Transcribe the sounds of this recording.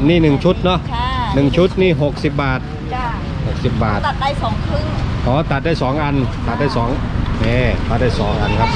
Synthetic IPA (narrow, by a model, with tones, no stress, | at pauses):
niː˥˩nɯ˨˩ŋt͡ɕʰu˦˥t̪̚nɔ˦˥ʔnɯ˨˩ŋt͡ɕʰu˦˥t̪̚niː˥˩ɦo˨˩k̚si˨˩p̚baː˨˩t̪̚ | ho˨˩k̚si˨˩p̚baː˨˩t̪ɔː˨˦ŋkʰɯ˧˥kʰɔː˨˦t̪a˨t̪̚daː˥˩jsɔː˩˦ŋʔa˧nt̪a˨˩t̪̚da˥˩jsɔː˩˦ŋmɛː˧˩t̪ʰaː˧˩daː˥˩jsɔ̰ː˩˦ŋʔa˧nkʰa˧˥p̚